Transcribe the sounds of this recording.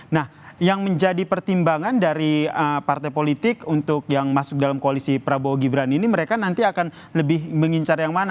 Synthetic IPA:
nah | jaŋməɲd͡ʒadipərt̪imbaŋandaɾiəpart̪ajpolit̪ɪkunt̪ʊk̚jaŋmasʊk̚dalamkoalisipɾaboɡibɾaniniməɾekanant̪iakan | ləbɪhməŋiɲt͡ʃarjaŋmana

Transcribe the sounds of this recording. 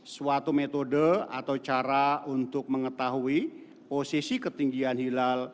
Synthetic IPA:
suat̪umet̪odəa̰t̪aut͡ʃaɾaunt̪ʊk̚məŋət̪aɦui | posisikət̪iŋɡianɦilal

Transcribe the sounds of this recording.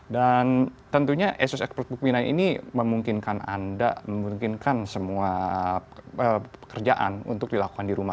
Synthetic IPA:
dant̪ənt̪uɲaʔesʊsɛkspɛrt̪̚buk̚minanḭniməmuŋkɪnkana̰nda̰məmuŋkɪnkansəmua | əəkərd͡ʒaʔa̰nṵnt̪ʊk̚dilaku̥kandiɾuma

